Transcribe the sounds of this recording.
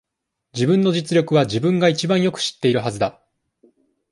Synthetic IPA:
d͡ʑibɯ̟̃nːo̞d͡ʑit͡sɨɾʲo̞kɯ̟βad͡ʑibɯ̟̃ŋɡait͡ɕibãɰ̃jo̞kɯ̟̥ɕi̥t̪ːe̞iɾɯ̟ɦazɨd̪a

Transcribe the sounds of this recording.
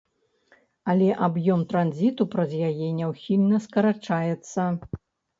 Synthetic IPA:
ɐlʲɛʔabjɔmt̪ɾanzʲit̪upɾɐzjajɛnʲɛwxʲilʲnɐskɐɾat͡ʂajɛt̪sːɐ

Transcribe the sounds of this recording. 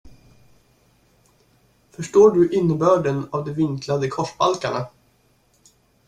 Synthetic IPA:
fœʂʈoːɖɵʔɪnːəbœːɖɛnavd̪ɛvɪŋklad̪əkʰɔʂba̰lkaɳa

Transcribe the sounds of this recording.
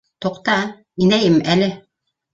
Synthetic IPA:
t̪oqt̪ɑ | inæjɘmælɘ

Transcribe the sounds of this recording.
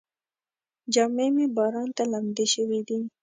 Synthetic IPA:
d͡ʒɑmemebɑɾɑnt̪alamd̪eʃəwid̪i

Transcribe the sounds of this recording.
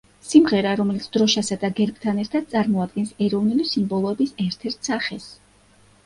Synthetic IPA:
simʁɛɾaɾɔmɛlit̪sʰd̪̥ɾɔʃasad̪aɡɛɾbt̪ʰanɛɾt̪ʰad̪̥̚t̪sʼaɾmɔad̪̚ɡɛnsɛɾɔvnulisimbɔlˠɔɛbisɛɾt̪ʰɛɾt̪ʰsaχɛs

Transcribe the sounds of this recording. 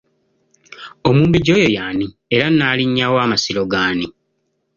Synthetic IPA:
omuːmbiɟo̞ːjo̞jaːni | eɾanːaːliɲːawaːmasiɾo̞ɡaːni

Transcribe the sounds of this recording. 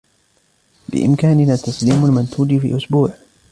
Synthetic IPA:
bɪ̰ʔɪ̰mkaːnɪnaːt̪ːɑsˤliːmʊlmant̪uːdfḭːʔʊsbuːʕ

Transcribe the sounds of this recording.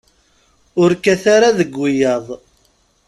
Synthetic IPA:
ʊɾkæθaɾaðəɡʷːijɑðˤ

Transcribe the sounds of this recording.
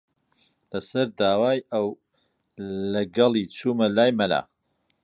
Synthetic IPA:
lɐsɐɾd̪aːwaːjɐw | lɐɡɐlˠiːt͡sʰuːmɐlaːjmɐla̰ː

